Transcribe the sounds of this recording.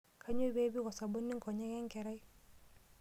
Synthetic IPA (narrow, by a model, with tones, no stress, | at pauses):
kʰa˦ɲo˦be˦bi˦kɔ˨sa˨bo˦nːi˦ŋkɔ˨ɲɛ˦ŋɛ˦ŋkɛ˨ɾa˦j